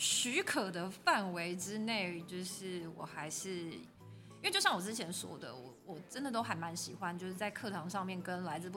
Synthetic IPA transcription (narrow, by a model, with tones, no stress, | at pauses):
ɕy˧˥kʰɤ˨˩d̪ə˦fa˥˩nwe˧˥ɪʈ͡ʂɻ̩˥ne˥˩ɪt͡ɕjo˥˧ʊʂɻ̩˥˩wɔ̰˨˩xa˧˥ɪʂɻ̩˥˩ | i˥we˥˩t͡ɕo˥˧ɕɑ˥˩wɔ˨˩ʈ͡ʂɻ̩˥t͡ɕʰjɛ˧˥nswɔ̰˥d̪ə̰˨wɔ̰˨˩wɔ˨˩ʈ͡ʂə˦˥nd̪ə˨t̪o˥ʊxa˨˩nma˧˦nɕi˨˩xwa˦nt͡ɕjo˥˧ʊʂɻ̩˥˩t͡sa˥˧ɪkʰɤ˥˩t̪ʰɑ˧˥ŋʂɑ˥˧ŋmjɛ˥˩nkə˦nla˧˥ɪd͡zɹ̩˧p